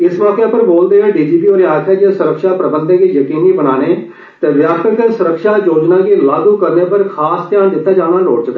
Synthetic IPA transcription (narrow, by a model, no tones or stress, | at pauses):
ɪsmɔːkeːpəɾboːld̪eːʋeɖiːd͡ʒiːpiːoːɾeaːt̪ʰɛːd͡ʒeːsʊɾəkʃaːpɾəbənd̪eɡiːjəkiːnːiːbənaːneː | t̪eːʋjaːt̪ək̪əsʊɾəkʃaːjoːd͡ʒnãːɡiːlaːd̪uːkəɾneːpəɾkʰaːst̪jaːnd̪ɪt̪ːaːd͡ʒaːɽ̃aːloːɽt͡ʃʊkɛː